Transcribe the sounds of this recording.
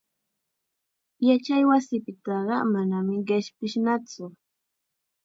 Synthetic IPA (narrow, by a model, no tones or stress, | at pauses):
jat͡ʃajwasɪpɪt̪ɑɢɑmanamɪɢɪʃpɪʃnat͡sʊ